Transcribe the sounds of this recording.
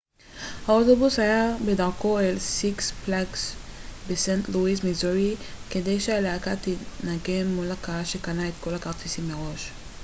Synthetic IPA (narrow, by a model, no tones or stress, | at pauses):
haot̪obushajabe̞daʁko̞elsiksplaɡsbesent̪luismizuʁike̞d̪e̞jʃealeakat̪enaɡe̞mːulakaaʃe̞kanaet̪ko̞lakaʁt͡sisimːeʁo̞ʃ